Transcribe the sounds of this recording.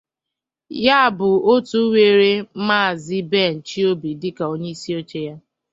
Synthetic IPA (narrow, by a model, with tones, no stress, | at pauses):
ja˦˨bʊ˨o˦tu˦we˨ɾe˦ma˦˨zɪ˦be˦˨n̩˨t͡ʃi˦o˦bi˨dɪ˦ka˨o˦ɲe˦i˦si˦o˦t͡ʃe˦ja˦